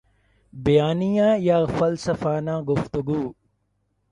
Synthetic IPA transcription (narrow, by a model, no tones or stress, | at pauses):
bɐjaːnijãːjaːfɐlsəfaːnãːɡʊft̪ʊɡuː